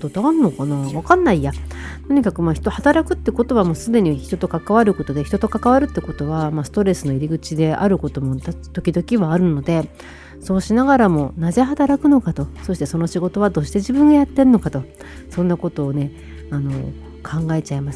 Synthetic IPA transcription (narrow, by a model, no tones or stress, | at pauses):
t̪ot̪oaɾɯnːokanaβakanːaija | t̪o̞ɲ̟ikakɯ̟maçi̥t̪o̞hat̪aɾakɯ̟t̪ːeko̞t̪o̞βamo̞ːsɨd̪e̞ɲ̟içi̥t̪o̞t̪o̞kakaβaɾɯ̟ko̞t̪o̞d̪e̞çit̪o̞t̪o̞kakaβaɾɯ̟t̪ːeko̞t̪o̞βamasɨ̥t̪o̞ɾe̞sɨno̞iɾʲiɡɯ̟t͡ɕid̪e̞ʔa̰ɾɯ̟ko̞t̪o̞mo̞t̪at̪o̞kʲid̪o̞kʲiβaːɾɯ̟no̞d̪e̞ | so̞ːɕinaɡaɾamo̞naze̞ɦat̪aɾakɯ̟no̞kat̪o̞so̞ɕi̥t̪e̞so̞no̞ɕiɡo̞t̪o̞βad̪o̞ːɕi̥t̪e̞ʑibɯ̟̃ŋɡajat̪ːe̞ɾɯno̞kat̪o̞ | sõ̞nːako̞t̪o̞ːne̞ | ano̞̰ | kʰãŋɡae̞t͡ɕaemasɨ̥